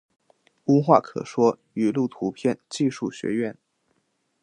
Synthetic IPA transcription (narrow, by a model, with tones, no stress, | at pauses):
u˥xwa̰˥˩kʰɤ̰˨˩ʂwɔ˥ | y˨˩lu˥˩t̪ʰu˧˥pʰjɛ˥˧nt͡ɕi˥˧ʂu˥˩ɕɥɛ̰˧˥ɥɛ˥˩n